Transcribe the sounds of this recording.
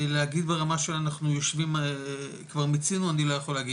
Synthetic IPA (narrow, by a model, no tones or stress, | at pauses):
leaɡid̪beʁamaʃelaːnaχnujo̞ʃvim | kvaʁmit͡sinuanilo̞jaχo̞leaɡi